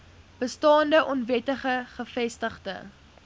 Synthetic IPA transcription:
b̥əstɑːndəʔɔnvɛtəχəχəfɛstəχdə̰

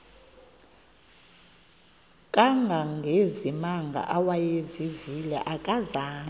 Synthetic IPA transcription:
kʼaŋɡʱaŋɡʱezimaŋɡʱa̰ʔawajezivilɛ̰ʔakʼazaː

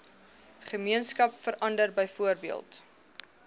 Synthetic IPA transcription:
χəmiənskɐpfəɾʔɐndərbəjfuərbiəlˠt

